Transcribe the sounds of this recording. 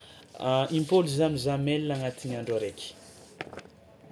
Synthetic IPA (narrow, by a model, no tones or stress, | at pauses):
ʔimpoluzamizamelːaŋat̪iɲaɳɖ͡ʐaɾekʲi̥